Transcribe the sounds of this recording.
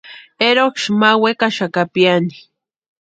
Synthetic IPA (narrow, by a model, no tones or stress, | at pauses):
eɾokʃmawekaʃakapjani̥